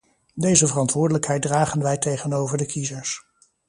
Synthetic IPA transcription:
dejzəvərɑntʋʊːɹdələkɦɛjt̚draːχənʋɛjtejχənowvəɹdəkizəɹs

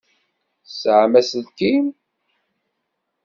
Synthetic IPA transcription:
sʕmæsəlkim

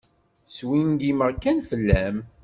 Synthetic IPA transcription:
swinɡiməʁkænfəlːæm

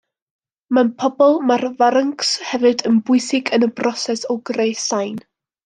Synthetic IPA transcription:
manpʰɔbɔlˠmarvaɾəŋkshɛvɨdənbʊɨsɪɡənəbrɔsɛsɔwɡrejsajn

